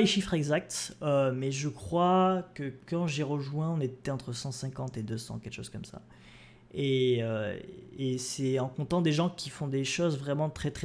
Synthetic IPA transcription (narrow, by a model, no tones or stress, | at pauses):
leʃifχɛɡzak̚t̪ømɛʒəkχwakəkɑ̃ʒeʁəʒwɛ̃ɔ̃net̪ɛɑ̃t̪χəsɑ̃sɛ̃kɑ̃t̪ed̪øsɑ̰̃kʲɛlkʃoz̥kɔmsa̰ | eø | esɛɑ̃kɔ̃t̪ɑ̃d̪eʒɑ̃kʲʰifɔ̃d̪eʃozvʁɛmɑ̃t̪χɛt̪χɛ